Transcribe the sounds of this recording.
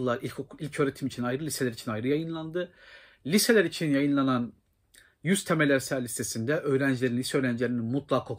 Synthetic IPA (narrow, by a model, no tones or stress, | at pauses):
lˠaɾiilʲcʰøːɾe̞t̪ʰimit͡ʃʰinajɾɯlʲise̞lʲæɾit͡ʃʰinajɾɯjajɯnlˠand̪ɯ | lʲise̞lʲæɾit͡ʃʰinjajɯnlˠanan | jyz̥t̪ʰemelʲæɾsæɾlʲist̪ʰe̞sind̪ɛʔø̞ːɾænd͡ʒlʲe̞ɾinlʲisɛøːɾænd͡ʒlʲeɾininmut̪lˠakʰːok